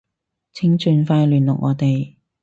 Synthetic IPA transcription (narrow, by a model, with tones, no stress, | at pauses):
t͡sʰɪ˨˥ŋt͡ʃyː˨˧nfaː˧jlyː˨˩nlʊ˨k̚ŋʔɔ̰ː˨˧t̪e˨j